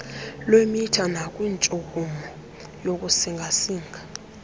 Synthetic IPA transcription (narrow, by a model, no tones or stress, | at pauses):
lwemitʰanakʼwint͡ʃʼukʼumɔ | jok̬ʼusiŋɡʱasiːŋɡʱa